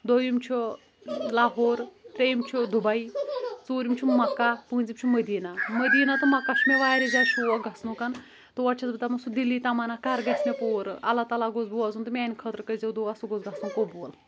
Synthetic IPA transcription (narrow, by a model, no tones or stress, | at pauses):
d̪ojimt͡ʃʰu | laːɦoːɾt̪ɾejimt͡ʃʰud̪ubait͡soːɾimt͡ʃʰumɐkːapũːnzimt͡ʃʰuməd̪iːnaməd̪iːnat̪ɨmɐkːat͡ʃʰumʲeʋaːɾizaːʃʰuːʋaɡʱɐsnukɐn | t̪ɨʋɐt͡ʃʰɐzbɨt̪amɐsud̪ilːiːt̪ɐmaːnakɐɾɡɐsmʲepoːɾɐlat̪alaɡozbuaːzunt̪ɨmʲaːnʲikʰət̪ɾkəzewd̪owasuɡozɡɐsnũkobuːl